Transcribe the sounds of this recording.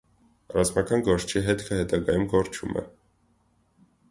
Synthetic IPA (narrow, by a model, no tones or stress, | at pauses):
rɑzmɑkɑnɡɔɾʃt͡ʃʰiɦɛt̪kʰəhɛt̪ɑɡɑjumɡɔɾt͡ʃʰṵmɛ̰